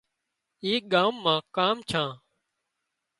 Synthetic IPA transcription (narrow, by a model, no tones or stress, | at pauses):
iːk̚ɠaːmːãːkaːmt͡ʃʰãː